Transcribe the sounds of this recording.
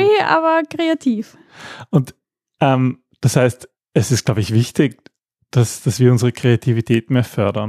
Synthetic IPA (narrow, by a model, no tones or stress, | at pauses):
iʔa̰ːbɐkʁ̥eatʰiːf | ʊnt | ʔɛm | d̥ashaɪst | ɛsɪstɡ̥laʊbəɪçv̥ɪçtɪk̚ | d̥asd̥asv̥iːɐʊnzəʁəkʁ̥eatʰivitʰeːtmeːɐfœɐdɐn